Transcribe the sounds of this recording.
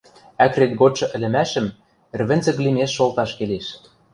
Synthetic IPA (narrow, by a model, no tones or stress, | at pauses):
ækret̪̚ɡoʃɤ̆ʔɘ̆lɘ̆mæʃə̆m | ɘ̆rβɘ̆nzɘ̆klimeʃːolt̪ɑʃkeleʃ